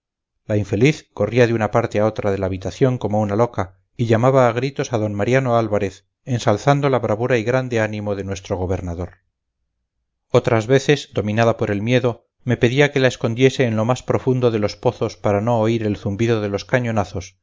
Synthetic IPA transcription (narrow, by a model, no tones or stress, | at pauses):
laiɱfe̞liθko̞riaðeunapaɾt̪eao̞t̪ɾaðe̞laːβ̞it̪aθjo̞ŋko̞mo̞unalo̞ka | iʎamaβaːɣ̞ɾit̪o̞saðo̞nmaɾjano̞alβaɾe̞θ | e̞nsalθand̪o̞laβɾaβuɾaiɣɾand̪e̞anĩmo̞ðe̞nwe̞st̪ɾo̞ɣ̞o̞β̞e̞ɾnaðo̞ɾ | ot̪ɾazβe̞θe̞zd̪o̞mĩnaðapo̞ɾe̞lmje̞ðo | me̞pe̞ðiake̞lae̞sko̞nd̪je̞se̞ːnlo̞maspɾofund̪o̞ðe̞lo̞spo̞θo̞spaɾano̞ːiɾe̞lθumbiðo̞ðe̞lo̞skaɲo̞naθo̞s